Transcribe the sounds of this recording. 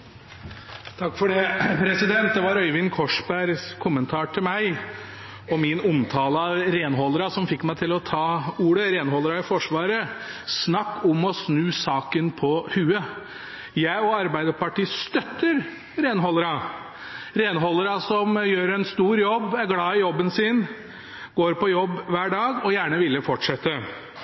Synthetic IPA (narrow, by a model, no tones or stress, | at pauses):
t̪ʰɑkːfɔɖɛpʰɾɛsɪd̪ɛnt̪̚d̪ɛʋɑɾœʏʋɪŋkʰɔʂbæɾskʰʊmːənt̪ʰɑːʈʰɪlmæɪ | ɔmɪnʊmt̪ʰɑːləɑɾeːnɦɔləɾɑsɔmfɪkːmæɪt̪ʰɪlɔt̪ʰɑːuːɽəɾeːnhɔləɾɑɪfɔʂʋɑːɾəsnɑkːʊmɔsnʉːsɑːkənpʰɔhʉːə | jæɪɔɑɾbæɪd̪əpɑʈiːst̪œt̪ːəɾ | ɾeːnɦɔləɾɑ | ɾeːnɦɔləɾɑsɔmjøːɾɛnst̪uːɾjɔbːæɾɡlɑːɪjɔbːənsɪn | ɡ̥oːɾpɔjɔbːʋæːɖɑːɡɔjæːɳəʋɪlːəfɔʈʂɛt̪ːə